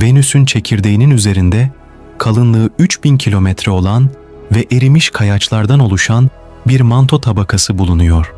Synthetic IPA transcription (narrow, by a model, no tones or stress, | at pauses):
ve̞nysynt͡ʃʰe̞cʰiɾd̪ejininyze̞ɾind̪ɛ | kʰalˠɯnlˠɯːyt͡ʃbincʰilʲo̞mɛt̪ɾɛo̞lˠan | vɛʔeɾimiʃkʰajat͡ʃlˠaɾd̪ano̞lˠuʃan | biɾmant̪ʰo̞t̪ʰabakʰasɯbulˠunujo̞ɾ̥